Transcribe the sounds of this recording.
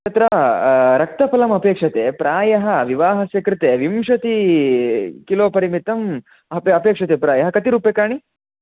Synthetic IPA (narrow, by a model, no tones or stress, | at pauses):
t̪ɐt̪ɾɐɾɐk̚t̪ɐpɐlɐmɐpeːkʂɐt̪eːpɾaːjɐɦɐʋiʋaːɦɐsjɐkɾɪt̪eːʋimʂɐt̪i | kiloːpɐɾimit̪ɐm | ɐpɐpeːkʂɐt̪eːpɾaːjɐɦɐkɐt̪iɾuːpekaːɳ̃i